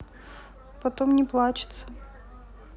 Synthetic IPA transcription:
pɐt̪omnʲɪplˠat͡ɕɪ̥t̪sə

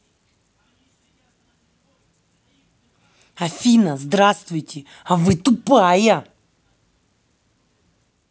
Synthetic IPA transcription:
ɐfʲinəzd̪ɾast̪vʊjtʲɪ | ɐvɨt̪ʊpajɐ

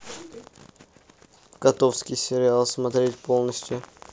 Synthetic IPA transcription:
kɐt̪ofskʲijsʲeɾʲɪalˠsmat̪ɾʲet̪ʲpʰo̞lˠnəsʲt̪ʲjʊ

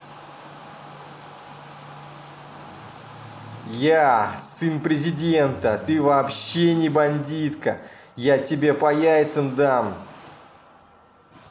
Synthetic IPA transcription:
jasɨnpɾʲɪzʲɪdʲe̞nt̪ət̪ɨvɐːpɕːenʲɪbɐnʲdʲit̪kəjatʲɪbʲe̞pɐjævʲɪt̪sɨmd̪am

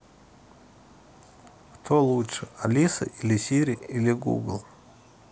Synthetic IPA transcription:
kt̪ʰolˠuʂɨalʲisa̰ʔilʲisʲiɾʲiiliɡṵɡlˠ

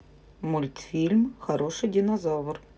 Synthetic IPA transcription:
mʊlʲt̪fʲilʲmxɐɾoʂɨjdʲɪnɐzovər

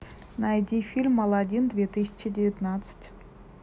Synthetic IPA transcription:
nɑjdʲifʲilʲmːɑlˠɑdʲind̪vʲet̪ɨsʲɪt͡ɕədʲevʲit̪nɑt̪sə̥tʲ

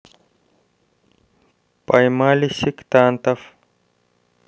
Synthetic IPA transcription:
pajmaːlisikt̪aːnt̪ɐf

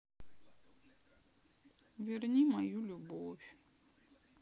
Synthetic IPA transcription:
vʲɪrnʲimɐjulʲʊbofʲ

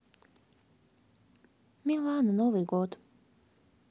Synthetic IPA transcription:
milˠaːnnoʋiɡod̪

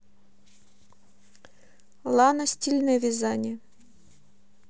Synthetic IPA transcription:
lˠɑnosʲtʲilʲnevʲizɑnʲi

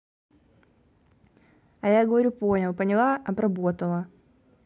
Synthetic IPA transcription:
ɐjaɡəvɐɾʲuponʲɪlˠpənʲɪlˠaʔɐbɾɐbo̞t̪əlˠə

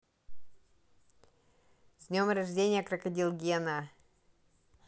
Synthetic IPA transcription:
zʲnʲomɾɐʐdʲenʲɪjəkɾɐkɐdʲilˠɡʲɛna

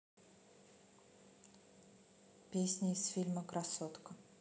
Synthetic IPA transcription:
pʲesʲnʲɪːsfʲilʲməkɾasot̪kə

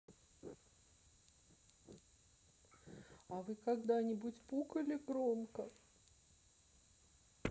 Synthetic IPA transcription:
ɐvɨkaɡd̪anʲɪbʊt͡sʲpukəlʲɪɡɾomkə

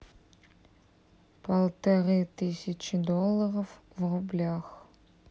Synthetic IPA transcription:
pʰɐlˠtʰɐrɨtɨsʲit͡ʃʰidolˠːɐrɐf | vrublʲaːx

